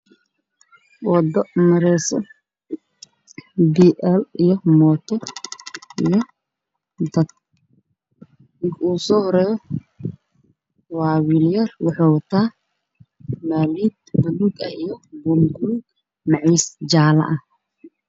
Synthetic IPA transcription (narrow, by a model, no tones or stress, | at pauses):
wɔd̪ɔmɐɾɛsɔ | biːʔɛlijɔmɔːt̪ʰɔ | ijɞ | d̪ɐt̪̚ | ɪkuːsɔːhɔɾɛːjɔ | waːwiːljɐrwɑħɑːwɐt̪ʰaː | maːliːd̪̚bɐluɡɐijɔbumɡʊlɡ | mɑʕiːsd͡ʒaːlɐ̰ʔɐh